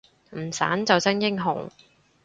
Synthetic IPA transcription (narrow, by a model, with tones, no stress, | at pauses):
m̩˨˩sa̰ː˨˥nt͡sɐ˨wsɐ˥ŋjɪ˥ŋɦʊ̰˨˩ŋ